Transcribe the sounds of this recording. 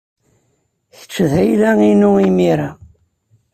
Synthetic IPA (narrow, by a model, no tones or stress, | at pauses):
θə̥t͡ʃːəðæjlæinuimiɾa